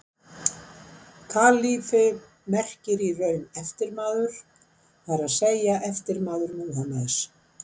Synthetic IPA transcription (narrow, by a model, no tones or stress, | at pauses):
kʰaːlifɪ | mɛr̥cɪɾirœːɥnɛft̪ɪɾmaːðʏɾ̥ | θaɾaðseːjaʔɛft̪ɪɾmaːðʏɾmuːɦamaðɪs